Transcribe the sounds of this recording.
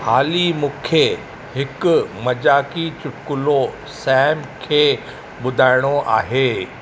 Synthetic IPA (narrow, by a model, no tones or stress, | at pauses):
haːlimũːkʰe | hɪkʊmɐd͡ʑaːkit͡ɕʊʈkʊlo | sɛːmkʰeː | ɓʊd̪ʱaːɪɽ̃oʔa̰ːɦeː